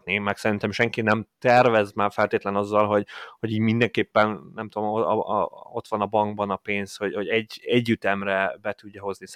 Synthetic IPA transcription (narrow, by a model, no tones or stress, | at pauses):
nimɛksɛɾint̪ɛmʃɛŋkinɛmt̪ɛrvɛzmaːrfɛlt̪eːt̪lɛnɒzːɒlɦo̞ɟho̞ɟiːɟmind̪ɛŋkeːpːɛnnɛmt̪ud̪om̰ | o̞t̪ʋɒnɒbɒŋɡbɒnɒpeːnsho̞ɟho̞ɟɛɟːɛɟːyt̪ɛmrɛbɛt̪uɟːɒɦo̞znis